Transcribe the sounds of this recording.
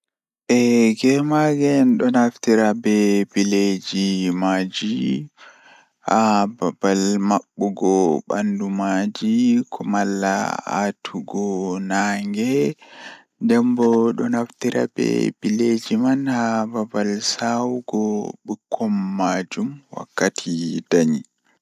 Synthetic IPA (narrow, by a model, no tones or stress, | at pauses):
ʔɛɡɛmaɡɛnɗɔnaftiɾabɛbiled͡ʒimaːd͡ʒi | hababalmaɓːuɡɔɓa̰ndumad͡ʒikʰɔmalːa̰a̰tʰuɡɔnaŋɡɛ | dɛmbɔɗɔnaftiɾʔa̰bɛ̰b̥iled͡ʒimanhababalsawuɡɔɓukʰːɔmːad͡ʒumwa̰kːatʰid̥aɲi